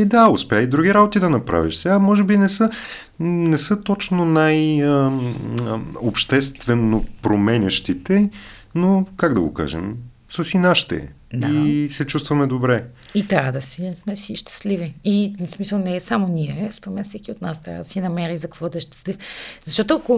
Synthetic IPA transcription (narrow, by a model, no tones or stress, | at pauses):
ɛd̪aʊspʲjaid̪ɾuɡ̟ʲiɾabot̪id̪ɐnɐpɾa̰viʃsɛɡamɔʒɛbinɛsə | nɛsət̪ɔt͡ʃnonajə | opʃt̪ɛst̪vɛnːopɾomɛnʲɐʃt̪it̪ɛ | nokaɡd̪ɐɡo̰ka̰ʒɛ̰m | sɐsinaʃt̪ɛ̰ | isɛt͡ʃust̪vɐmɛd̪obɾɛit̪ɾavəd̪ɐsismɛsiʃt̪ɛ̥sliviismisɐlˠnɛsamoniɛspɾomɛnfsɛkʲiot̪nast̪ɾʲa̰vəd̪ɐ̥sinɐmɛɾizɐkvɔd̪ɛʃt̪ɛ̥slifzɐʃt̪ɔt̪oɐko